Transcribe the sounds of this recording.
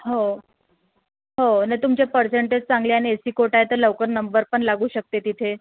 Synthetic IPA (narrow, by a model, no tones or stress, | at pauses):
ɦo | ɦonajt̪umt͡ɕepəɾseɳʈed͡ʑt͡saŋɡleañiesiːkoʈajet̪əɾləʋkəɾnəmbəɾpəɳlaɡuːɕək̚t̪et̪it̪ʰe